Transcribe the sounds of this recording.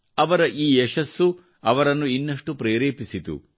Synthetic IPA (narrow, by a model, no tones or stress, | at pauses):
ɐʋɐɾɐʔiːɛʃɐsːu | ɐʋɐɾɐnːuinːɐʂʈupɾeːɾeːpisit̪ṵ